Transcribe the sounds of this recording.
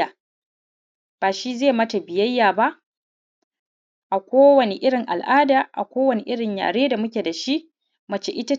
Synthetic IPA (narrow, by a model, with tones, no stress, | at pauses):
aː˨ | b̥aː˨ʃi˦zeː˦˨mɐ˦ta˨bɪ˨jɐ˦jːaː˨ba˦ʔ | ʔa˨kʷoː˦wɐ˨ni˨ʔɪ˦ɽɪ˨ŋʔa̰˨lʔaː˦daː˨ʔa̰˨kʷoː˦wɐ˨ni˨ʔɪ˦ɽɪ˨ɲja̰ː˨ɽeː˦da˨mʊ˦kʲe˨da˨ʃi˦ʔ | mɐ˨t͡ʃe˦ʔɪ˦ta˦